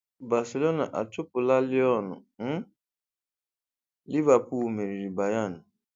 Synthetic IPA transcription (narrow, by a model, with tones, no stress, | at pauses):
ba˨si˨lo˦na˨ʔa̰˨tʊ˦pʊ˨la˦lɪ˦ɔ˦˨nʊ̰̃˨m̩˦ | li˦va˨pu˨me˨ɾi˨ɾi˨ba˨ja˦˨nʊ̃˨